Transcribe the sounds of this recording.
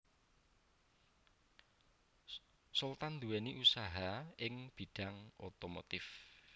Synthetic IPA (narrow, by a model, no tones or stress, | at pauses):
sult̪and̪uwɛniʔusaɦaɪŋb̥i̤ɖ̥aŋot̪omo̰t̪ɪf